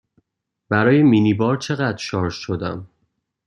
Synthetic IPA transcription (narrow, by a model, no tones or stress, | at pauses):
b̥æɾɒːjeminibɒːɾt͡ʃʰe̞ɣæd̪ɾʃɒːɾʃʃo̞d̪æ̰m